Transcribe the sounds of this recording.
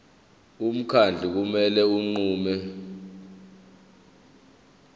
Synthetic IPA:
um̩kʰand͡ɮʱik̬umɛlɛuŋ͡ǃuːmɛ

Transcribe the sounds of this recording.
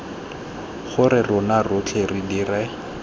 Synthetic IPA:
χʊɾɪrʊnarʊt͡ɬʰeridira

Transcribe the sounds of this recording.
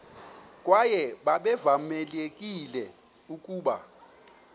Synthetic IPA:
kʼwajɛɓaɓɛvamɛlekʼilɛ | ukʼuːɓa̰

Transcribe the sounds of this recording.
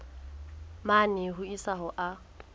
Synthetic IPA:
manɪɦʊisaɦɔʔa

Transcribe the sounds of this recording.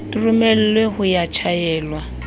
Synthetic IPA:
tʼurumɛl̩lwehʊjat͡ʃʰajɛːlwa

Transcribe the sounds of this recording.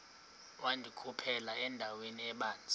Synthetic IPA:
wandʱikʼupʰɛlaɛndʱaweniɛɓaːnd͡zʱi

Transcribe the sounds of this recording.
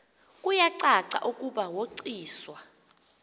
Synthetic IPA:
kʼujaǀaǀa̰ʔukʼuɓawoǀiːswa

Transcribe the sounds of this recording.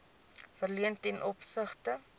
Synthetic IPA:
fərliəntɛnʔɔpsəχtə

